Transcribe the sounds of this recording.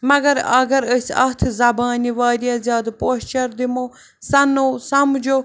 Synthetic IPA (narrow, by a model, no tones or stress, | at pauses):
mɐɡɐɾɐ̰ɡɐɾəsɐt̪ʰzɐbaːniʋaːɾijazʲaːd̪poːɕt͡ʃɐɾd̪imo | sɐnoːsɐmd͡ʒo